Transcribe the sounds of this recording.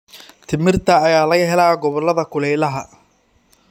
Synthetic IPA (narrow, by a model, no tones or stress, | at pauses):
t̪ʰɪmɪrt̪ʰɐːjaːlɐɣɐɦɛlaːɡɔβɔlːɐðɐkʰʊlɛjlɐɦɐ